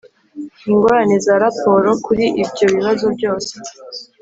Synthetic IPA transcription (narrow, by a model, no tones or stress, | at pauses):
iŋɡoɾanezaɾapo̞ɾo̞kuɾiʔibɟo̞βiβazo̞bɟo̞ːse̥